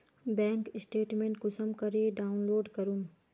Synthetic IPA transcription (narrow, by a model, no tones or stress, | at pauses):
bɛ̃ːŋkɪsʈeːʈmẽːɳʈkʊsəmkɐɾeɖaːʊnloːɖkəɾum